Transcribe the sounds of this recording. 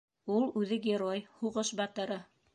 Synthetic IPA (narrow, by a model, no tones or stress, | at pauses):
ulˠʉðɘɡʲeɾojhuʁɤʃbɑt̪ɤ̆ɾɤ